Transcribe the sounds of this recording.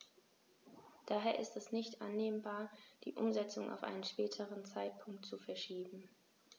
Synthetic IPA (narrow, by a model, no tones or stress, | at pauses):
d̥aːɦeːɐʔɪstɛsnɪçtʔa̰nːeːnbaːɐd̥ḭːʔʊmzɛt͡sʊŋʔa̰ʊfʔa̰ɪnənʃpɛːtʰəʁənt͡saɪt̚pʰʊŋktt͡sufɛɐʃiːbm̩